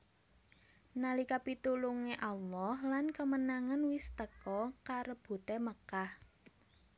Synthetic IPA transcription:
nalikapit̪uluŋeʔalɔhlankəmənaŋanwɪst̪əkɔkaɾəb̥ṳt̪eməkah

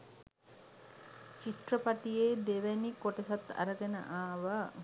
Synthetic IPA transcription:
t͡ʃit̪rəpaʈijeːd̪eʋænikoʈəsat̪a̰ɾəɡenə̰ʔaːʋə

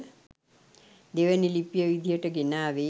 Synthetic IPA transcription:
d̪eʋənilipjəʋid̪ʱijəʈəɡenaːʋe

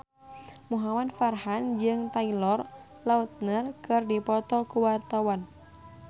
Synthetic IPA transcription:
muɦamadfarɦand͡ʒɨŋt̪ailɔr | laut̪̚nərkɨrdipɔt̪ɔkuwart̪awan

